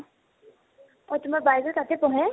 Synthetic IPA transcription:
ɔtʊmaɹbajzɔkatɛpɔɦɛ̃

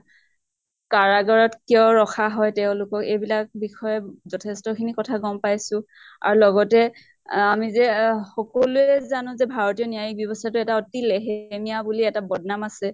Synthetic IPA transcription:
kaɹaɡaɹɔtkiɔɹɔxʰaɦɔjtɛʊ̃lʊkɔkejbilak̚bixʰɔjɛzɔtʰɛstɔkʰinikɔtʰaɡɔmpajsʊ̃ | a̰ɹulɔɡɔtɛ | amizɛxɔkoluɛzanʊ̃zɛbʱaɹɔtijɔnijajik̚bjɔbɔstʰatʊɛtaɔtileɦmijabuliɛtabɔdnamasɛ

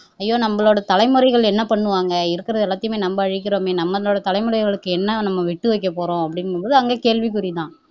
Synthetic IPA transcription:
ɐjːoːnɐmːɐɭoːɽɐt̪ɐlɐɪmɯɾɐɪɣɐɭɛnːɐpɐɳːɯʋaːŋɡɐɪɾɯkːɪɾɐðɯɛɭːaːt̪ːɪjɯmeːnɐmbɐːɻɪk̬ʲːɪɾoːmeːnɐmːɐðɐloːɽɐt̪ɐlɐɪmɯɾɐɪɣɐɭɯkːɯɛnːɐnɐmːɐʋɪʈːɯʋɐɪk̬ːɐpoːɾõːɐpːɐɽɪnpoːðɯɐŋɡeːkeːɻʋik̬ʊɾɪt̪ãː

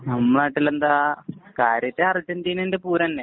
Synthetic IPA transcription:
nɐmːɐɭaːʈːilend̪aːkaːɾjɐt̪ːeɐritːɐnd͡ʑinendepuːɾɐɐnːe

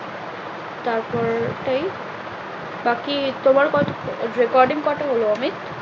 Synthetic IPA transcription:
t̪aɾpɔɾʈaj | bakit̪omaɾkɔt̪oɾekɔɾɖiŋkɔɾʈaɦoloɔmit̪

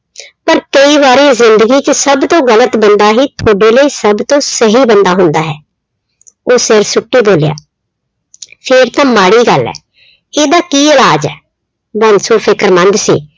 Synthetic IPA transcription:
pəɾkəiːʋaːɾeːzɪnd̪əɡiːt͡ʃəsəbt̪õːɡələt̪bənd̪aːɦiːt̪ʰoːɖeːləiːsəbt̪õːsəɦiːbənd̪aːɦʊnd̪aːɦɛː | oːsɪɾsʊʈːiːboːlja̰ː | pʰɪɾt̪ãːmaːɽiːɡəlɛ̰ː | eːd̪aːkiːəlaːd͡ʒɛː | bənsõːpʰɪkəɾmə̃nd̪sḭː

